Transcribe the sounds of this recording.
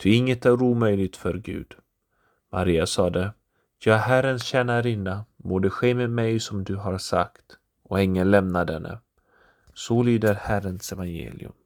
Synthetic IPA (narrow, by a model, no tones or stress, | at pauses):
t̪ʰʏɪŋːət̪æɾuːmœjlɪɡ̚t̪fœɾɡʉ̟̰ːd̪̥ | ma̰ɾiːasɑːd̪ə | jɑːhærənsɕɛːnaɾɪnːamoːɖ̪ɛɧeːmeːd̪mɛjsɔmd̪ɵɦaɾsa̰kt̪ | ɔɪŋːənlɛmnad̪ɛnːʔə̰ | sɔlyːd̪əɾhæɾənsɛvanjḛːlɪ̰ɵ̰m